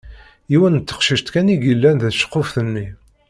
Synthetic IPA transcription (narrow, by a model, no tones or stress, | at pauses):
iwənt̪ːə̥qʃiʃt̪kæniɡilːænðæʃə̥qːofθənːi